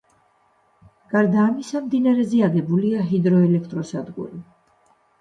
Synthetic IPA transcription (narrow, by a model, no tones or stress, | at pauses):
ɡ̥aɾd̪aːmisamd̪inaɾɛzɛaɡɛbuliaɦid̪ɾɔɛlɛkʰt̪ʼɾɔsad̪ɡṵɾi